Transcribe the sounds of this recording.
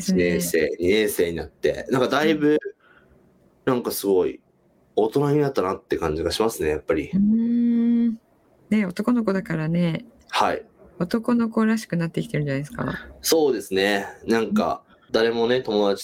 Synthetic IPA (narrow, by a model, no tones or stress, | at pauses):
esɨnẽseːɲiẽɰse̞ːɲ̟inat̪ːe̞̰nãŋkad̪aibɯ̟ | nãŋkasɨɡo̞ḭ | o̞t̪o̞naɲinat̪ːanat̪ːe̞kãɲ̟d͡ʑiɡaɕimasɨne̞japːaɾʲiɯ̃ | ne̞o̞t̪o̞ko̞no̞k̬o̞d̪akaɾane̞ | haio̞t̪o̞ko̞no̞ko̞ɾaɕi̥kɯ̟nat̪ːe̞ikʲit̪eɾɯ̟ɲd͡ʑanaesɨ̥ka̰so̞ːd̪e̞sɨne̞nãŋka̰ | d̪aɾe̞mo̞ne̞t̪o̞mo̞d̪at͡ɕi̥